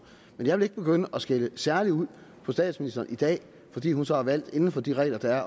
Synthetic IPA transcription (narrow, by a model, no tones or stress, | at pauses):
menjɑɪʋele̝ɡ̥əb̥e̝ɡ̥øn̰əʔɒsɡ̥eləsæɐliuð̰ˠpʰɒ̽sd̥ɛ̰ːd̥sminisd̥ɐːnid̥ɛ̰ː | fɒ̽d̥ḭːhunsɒ̽hɑ̈ʋæl̰d̥e̝nn̩fɒ̽d̥iʁɛ̰ɪlɐd̥ææɐ